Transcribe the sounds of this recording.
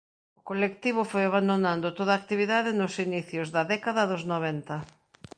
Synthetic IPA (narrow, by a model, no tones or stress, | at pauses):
ʊkolekt̪iβ̞ʊfojaβand̪onãnd̪ot̪oðaːk̚t̪iβiðaðɪnʊsiniθjozðɐðɛkaðɐðoznoβ̞ɛnt̪ɐ